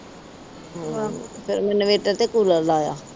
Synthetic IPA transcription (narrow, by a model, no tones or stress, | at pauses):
ɦãpʰɪɾmɛnʋeːʈəɾt̪eːkuːləlaːja̰ː